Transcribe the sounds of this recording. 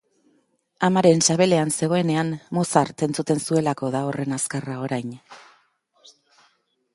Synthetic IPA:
amaɾe̞nsaβ̞e̞le̞anse̞ɣo̞e̞ne̞anːo̞saɾt̪e̞nt͡sut̪e̞nsue̞lako̞ðaore̞naskarao̞ɾajn

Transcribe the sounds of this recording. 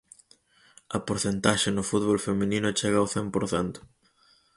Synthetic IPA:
ɐpoɾθent̪aʃenʊfut̪βolfemĩnĩnʊt͡ʃeɣɐːwθempoɾθɛnt̪ʊ̥

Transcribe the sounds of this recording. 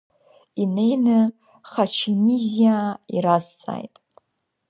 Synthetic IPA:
ine̞jnɨ | χat͡ʃʰinizijaiɾazt͡sʼa̰jtʼ

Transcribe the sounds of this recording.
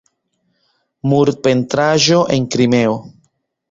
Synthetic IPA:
muɾ̚pe̞ntɾaʒoʔeŋkɾime̞o

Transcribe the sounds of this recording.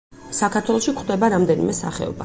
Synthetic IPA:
sakʰaɾt̪ʰwɛlˠɔʃikχd̪ɛbaɾamd̪ɛnḭmɛsa̰χɛ̰ɔ̰ba̰

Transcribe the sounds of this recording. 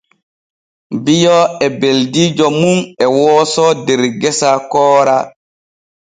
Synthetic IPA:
bijɔɛbeldiːd͡ʒɔmunɛwɔːsɔdɛɾɡɛsakɔːɾa

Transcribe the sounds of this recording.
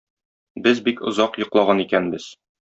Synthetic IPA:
bɘzbikŏzɑqjŏqlˠɑʁɑnikænbɘz̥

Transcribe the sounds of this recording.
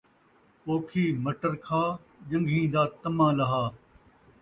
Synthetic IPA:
oːkʰiːməʈəɾkʰaː | d͡ʒə̃ŋɡʱĩːd̪aːt̪əmãːlɐɦaː

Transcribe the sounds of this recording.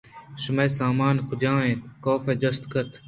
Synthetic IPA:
ʃɪmeːsaːmaːnkʰʊd͡ʒãːẽt̪koːfeːd͡ʒɐst̪kət̪ʰ

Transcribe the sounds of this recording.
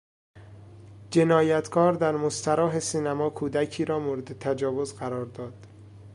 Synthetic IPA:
d͡ʒe̞nɒːjæt̪ʰkʰɒːɾd̪æɾmost̪ʰæɾɒːɦe̞siːnæmɒːkʰuːd̪æcʰiːɾɒːmoːɾe̞d̪et̪ʰæd͡ʒɒːvo̞zɢæɾɒːɾd̪ɒːd̪̥

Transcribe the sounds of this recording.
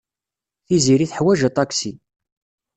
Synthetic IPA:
θiziɾiθħwæʒət̪ˤɑksi

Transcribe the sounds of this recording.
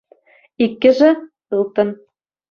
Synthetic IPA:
ikːɘ̆ʒɘ̆ | ɯlˠt̪ɤ̆n

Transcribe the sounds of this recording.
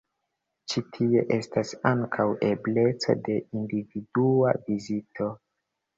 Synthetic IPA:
t͡ʃitʰie̞̰ʔe̞stasaŋkʰawʔe̞ble̞t͡so̰de̞individua̰vizitʰo̞

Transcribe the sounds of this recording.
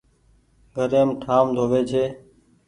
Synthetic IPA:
ɡʱəɾeːmʈʰaːmd̪ʱoːʋeːt͡ʃʰeː

